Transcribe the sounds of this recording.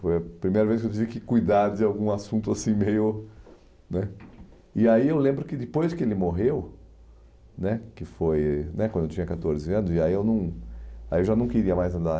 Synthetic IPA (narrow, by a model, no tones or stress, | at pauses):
fojɐpɾimejɾɐveskɪewt̪̬ivɪkɪkujd̪aɾd͡ʒ̪ɪawɡũasũt̪ʊasĩmejʊ | nɛ | ɪaiewlẽmbɾʊkɪd̪ɪpojskɪelɪmoɦew | nɛkɪfojnɛkwɐ̃d̪ewt͡ʃĩɲɐkat̪oɾzɪɐ̃nʊzɪaiewnɐ̃w̃aiewʒanɐ̃w̃kɪɾiɐmajzɐ̃nd̪a